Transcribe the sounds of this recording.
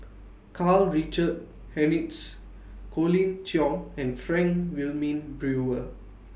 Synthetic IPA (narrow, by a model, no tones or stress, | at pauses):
kʰalɹit͡ʃəd̚ | hɛnits | kʰolĩntʰjɔ̃ŋɛ̃nfɹɛ̃ŋkwilmĩnbɹuə